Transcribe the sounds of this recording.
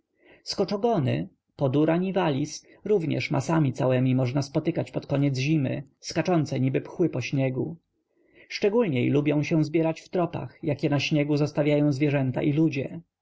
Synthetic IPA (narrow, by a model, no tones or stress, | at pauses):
skɔt͡ʂɔɡɔnɘ̰ | pɔd̪uɾaɲivalʲis | ɾuvɲɛ̰ʂmʔa̰samʲit̪sawɛmʲimɔʐnaspɔt̪ɘkat͡ɕpɔt̪kɔɲɛd̪zʑimɘ̰skat͡ʂɔnt̪sɛɲibɘpxwɘpɔɕɲɛɡu | ʂt͡ʂɛɡulɲɛjlubjɔ̃w̃ɕɛ̃zbʲjɛɾat͡ɕft̪ɾɔpa̰xjakʲɛnaɕɲɛɡuzɔst̪avʲjajɔ̃w̃zvʲjɛʐɛnt̪a̰ʔilud͡ʑɛ